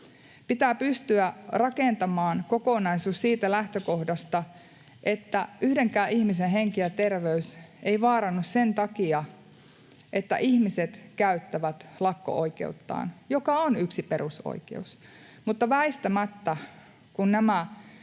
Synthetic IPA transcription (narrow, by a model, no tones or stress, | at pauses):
pit̪æːpyst̪yærɑkeˑnt̪ɑmɑːnkokonɑisuːssiːt̪ælæht̪økohdɑst̪ɑ | ʔet̪ːæʔyhdeŋkæːʔihmisenɦeŋkiæt̪erʋeyseiʋɑːɾɑnːussent̪ɑkiɑ | ʔet̪ːæ̰ʔihmiset̪kæyt̪ːæʋæt̪lɑkːo̰ʔoikḛut̪ːɑ̰ːnjokɑonyksipeɾuso̰ikḛus | mut̪ːɑʋæist̪æmæt̪ːæ | kunnæmæ